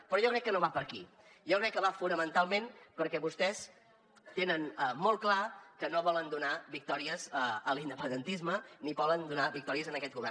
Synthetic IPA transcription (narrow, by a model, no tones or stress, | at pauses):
pɾɔʒɔkɾɛkːənoβapəɾki | ʒɔkɾɛkːəβafunəmənt̪alˠmẽnpəɾkɛβust̪ɛs | t̪enənəmolˠklakənoβɔlənd̪unaβik̚t̪ɔɾiəzəəlind̪əpənd̪ənt̪izmənipɔlənd̪unaβik̚t̪ɔɾiəzənəkɛt̪̚ɡuβɛr